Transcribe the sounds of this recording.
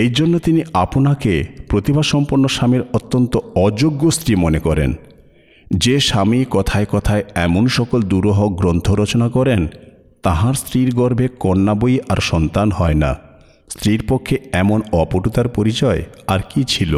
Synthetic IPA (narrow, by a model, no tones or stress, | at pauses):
ejd͡ʑonːot̪iniaponakepɾot̪ibʱaʃɔmpoɾnːoʃamiɾot̪ːont̪oɔd͡ʑoɡːost̪ɾimonekɔɾḛn | d͡ʑeʃamikɔt̪ʰaekɔt̪ʰaeɛmonʃɔkold̪uɾoɦok̚ɡɾont̪ʰoɾot͡ɕonakɔɾen | t̪aɦãɾst̪ɾiɾɡɔɾbʱekɔnːabojʔaɾʃɔnt̪anhɔena̰ | st̪ɾiɾpokʰːeɛmonɔpoʈut̪aɾpoɾit͡ɕɔeaɾkit͡ɕʰilo̰